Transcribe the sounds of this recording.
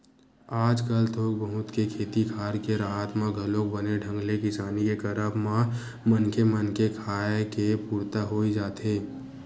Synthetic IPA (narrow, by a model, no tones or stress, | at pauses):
aːd͡ʒkəlt̪ʰoːkbəɦʊt̪kekʰeːt̪ikʰaːɾkeɾaːɦaːt̪mãɡʱɐlõkbəneɖʱə̃ŋɡlekɪsaːnikekɐɾabmã | mənkʰemənkekʰaːkepuːɾt̪aɦoːid͡ʒaːt̪eː